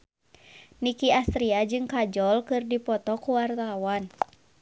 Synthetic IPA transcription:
nikiast̪ɾiad͡ʒɨŋkad͡ʒɔlkɨrdipɔt̪ɔkuwart̪awan

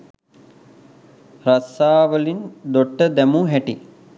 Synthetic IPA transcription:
rasaːʋəlind̪oʈːəd̪æmuɦæʈi

